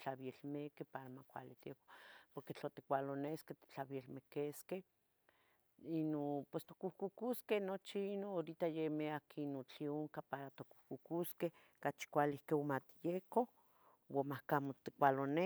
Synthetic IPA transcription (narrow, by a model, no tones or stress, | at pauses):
t͡ɬaβielmekehpaɾamakʷa̰lit̪ieko̥poɾket͡ɬot̪i̥kʷalonesket̪i̥t͡ɬaβielmekeskeh | inopwest̪o̥kuhkukuskehnot͡ʃiinooɾit̪ajemeakinot͡ɬioŋkapaɾat̪oku̥hkukuskeh | kat͡ʃi̥kʷalihkeomat̪ijeko | wamahkamot̪ikʷalone